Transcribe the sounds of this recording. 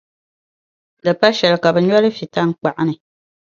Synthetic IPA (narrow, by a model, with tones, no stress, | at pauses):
lɨ˨pa˦ʃɛ˨lɨ˨ka˨bɨ˨ɲɔ˦lɨ˦fi˨ta˦ŋ̩˦k͡pa˨ʔa˦nɨ˨